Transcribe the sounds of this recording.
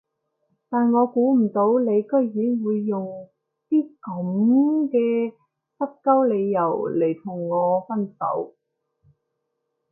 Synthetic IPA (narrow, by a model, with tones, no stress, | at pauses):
t̪aː˨nŋɔː˨˧kuː˨˥m̩˨˩t̪o˨˥wle˨˧jkɵ˥ɥjyː˨˥nwuː˨˧jːʊ˨ŋ | t̪iː˥kɐ˨˥mkɛː˧ | pɐ˥t̚kɐ˥wle˨˧jːɐ˨˩wle˨˩jt̪ʰʊ˨˩ŋːŋɔː˨˧fɐ˥nsɐ̰˨˥w